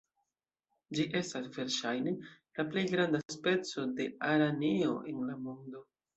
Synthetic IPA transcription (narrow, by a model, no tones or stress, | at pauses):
d͡ʒiʔe̞stasve̞ɾʃajne̞ | laple̞jɡɾandaspe̞t͡so̞de̞aɾanio̞ʔenlamondo̞